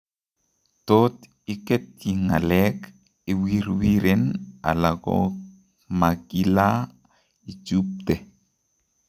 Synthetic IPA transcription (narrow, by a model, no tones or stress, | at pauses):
tot | iketiŋa̰lɛk | iwiɾwiɾena̰laɡɔ̰ | maɡila | id͡ʒup̚t̪e